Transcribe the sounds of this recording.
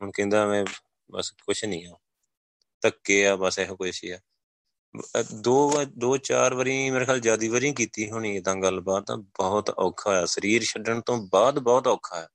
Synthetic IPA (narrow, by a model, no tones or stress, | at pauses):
ɦʊnkẽːnd̪aːmẽː | bə̰skʊʃʰnĩːaː | t̪əkːeːaːbəsɛɦkʊʃḭːaː | d̪oːd̪oːt͡ʃa̰ːɾʋəɾĩːmeːɾeːkʰjaːld͡ʒaːd̪iːʋəɾĩːk̬iːt̪iːɦoːɳ̃iːed̪ãːɡəlbaːd̪ãbɔːt̪ɔːkʰaːɛːsəɾiːɾʃəɖəɳt̪õːbaːd̪bɔːt̪ɔːkʰːaːɛː